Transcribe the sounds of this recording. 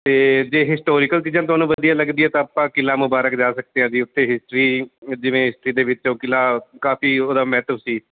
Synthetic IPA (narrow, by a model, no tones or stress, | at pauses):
t̪eːd͡ʒeːɦɪsʈoːɾiːkəlt͡ʃiːd͡ʒãːt̪̬ʊɦaːnũːʋəd̪ijaːləɡd̪iːɛːt̪ãːəpãːkɪlãːmʊbaːɾəkd͡ʒaːsək̚d̪eãːd͡ʒiːʊt̪ːeːɦɪsʈɾiːd͡ʒɪʋẽːɦɪsʈɾiːd̪eːʋɪt͡ʃoːkɪlaːkaːpiːoːd̪aːmɛːt̪əʋsiː